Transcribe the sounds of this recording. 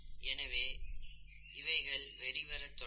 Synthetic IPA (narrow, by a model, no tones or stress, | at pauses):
ɛnɐʋeː | ɪʋɐɪɣɐɭʋɛɾɪʋɐɾɐt̪ːɔ